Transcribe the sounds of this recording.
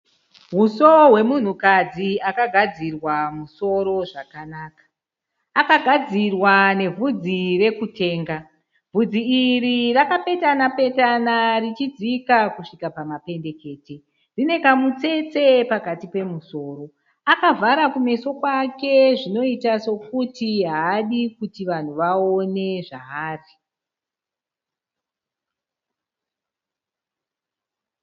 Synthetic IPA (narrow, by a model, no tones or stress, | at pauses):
ɦusoɦwe̞mun̤ukad͡ziakaɡʱad͡zirwamuso̞ɾo̞ʐakanaːkḁː | kaɡʱad͡zirwane̞vʱud͡zire̞kute̞ːŋɡa | b͡vʱud͡ziiɾirakape̞tanape̞tanarit͡ʃid͡zikakuʂikapamape̞nde̞ke̞ːte | rine̞kamut͡se̞t͡se̞pakatipe̞muso̞ːɾo̞ | akavʱaɾakume̞so̞kwake̞ʐino̞itaso̞kutiɦaːɗikutiʋan̤uʋao̞ne̞ʐaɦaːri